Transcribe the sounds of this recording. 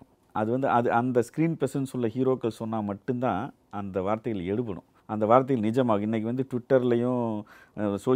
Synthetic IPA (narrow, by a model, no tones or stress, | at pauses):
ʔɐðɯʋɐnd̪ɯʔɐðɯʔɐnd̪ɐskɾiːnpɛsɐnsɯlːɐhiːɾoːkːɐɭsɔnːaːmɐʈːɯnt̪ãː | ɐnd̪ɐʋaːɾt̪ɐjɐlɛɽɯp̬ːɐɽʊ̰̃ | ɐnd̪ɐʋaːɾt̪ːɐjɐlnɪd͡ʒɐmaːɣɐɪnːɐk̬ːɯʋɐnd̪ɯʈʋɪʈːɐɾɪlɐjʊ̃ | soː